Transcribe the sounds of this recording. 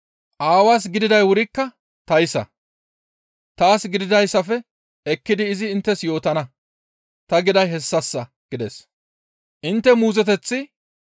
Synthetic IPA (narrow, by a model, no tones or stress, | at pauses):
ʔaːwaːs̬ɡɪd̪ɪd̪ɐjwʊɾɪkːɐ | t̪ɐjɪsɐ̰ | t̪aːsɡɪd̪ɪd̪ɐjsːɐfɛ | ɛkːɪd̪ɪːzɪːnt̪ːɛsjo̞ːt̪ɐnɐ | t̪ɐɡɪd̪ɐjɦɛsːɐsːɐ | ɡ̥ɪd̪ɛs | ʔɪnt̪ːɛmuːzɛt̪ɛt͡sːɪ